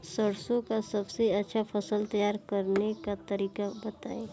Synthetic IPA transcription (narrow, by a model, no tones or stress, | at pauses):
səɽsõkasɐbseɐtːʃʰapʰəsəlt̪ɐjaːɾkəɾnekat̪əɾiːkabɐt̪a̰ːẽ